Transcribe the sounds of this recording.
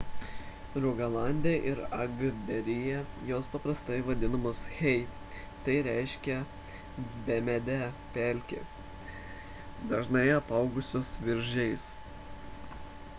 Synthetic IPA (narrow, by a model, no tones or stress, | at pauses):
ɾʊɡɐlˠɑˑnʲd̪ʲeʔɪɾɐɡbʲɛɾʲɪjɛjoːspɐpɾɐst̪ɐɪʋɐd̪ʲɪnɐmoːsxʲɛɪ | t̪ɐɪɾʲæɪʃʲkʲɛ | bʲɛmʲɛd̪ʲɛ | pʲɛlʲkʲɪ̰ | d̪ɐʒnɐɪɐpɐˑʊɡʊsʲoːsʋʲɪɾʲʒʲɛɪs